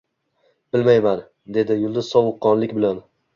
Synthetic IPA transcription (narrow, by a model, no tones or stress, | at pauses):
b̥ɪlmajman | d̪e̞d̪ɪjʊlˠd̪ʊzsɒvʊqʰːɒnlɪkʲbɪlan